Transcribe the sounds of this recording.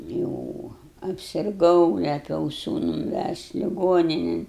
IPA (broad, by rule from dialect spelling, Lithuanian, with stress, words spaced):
ˈjoːʊ ɐpʲsʲɪrˈɡɐʊ lʲɛˈpʲɛʊ ˈsuːnʊn ˈʋʲæʃʲtʲ lʲɪˈɡoːnʲɪnʲeːn